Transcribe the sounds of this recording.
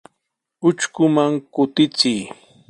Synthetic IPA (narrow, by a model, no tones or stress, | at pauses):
ʊt͡ʃkʊmaŋkʊt̪ɪt͡sɪj